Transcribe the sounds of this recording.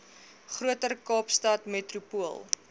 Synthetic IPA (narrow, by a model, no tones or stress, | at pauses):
χruətərkɑːpstɐtmetrupuəlˠ